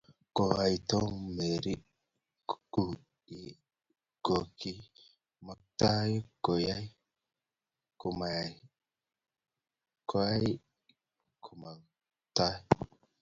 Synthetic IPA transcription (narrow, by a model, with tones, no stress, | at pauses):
ko˨a˨jt̪o˦me˨ɾi˦ | ku˨ | i˦ | ɡ̥o˨ki˦ | ma˨k̚ta˦ji˦ko˨ja˦j | ku˨ma˨ | kʰo˦a˦j | kʰu˨ma˨ | ta˦